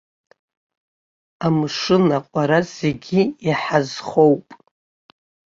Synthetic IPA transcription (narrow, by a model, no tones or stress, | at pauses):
amʂɨnaqʷʼaɾaze̞ɡʲiiħazχo̞wpʼ